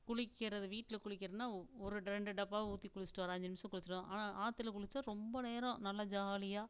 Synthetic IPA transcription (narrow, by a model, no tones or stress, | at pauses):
kʊɻɪkːɪɾɐðɯʋiːʈːɪlɐkʊɻɪkːɪɾɐðɯnːaːɔɾɯɖɾɛɳɖɯɖɐpːaːʋuːt̪ːikʊɻɪt͡ʃːɪ̥ʈːʋɐːɾaɐɲd͡ʒɪnɪmsɐ̃kʊɻɪt͡ʃːɪʈõʔa̰ːnaːʔaːt̪ːɪlɐkʊɻɪt͡ʃːaːɾɔmbɐneːɾõnɐlːɐd͡ʒaːlɪjaː